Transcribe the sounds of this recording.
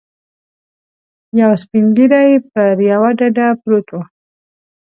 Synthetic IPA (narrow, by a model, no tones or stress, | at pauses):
jawspiŋɡiɾajp̚əɾjawaɖaɖapɾot̪u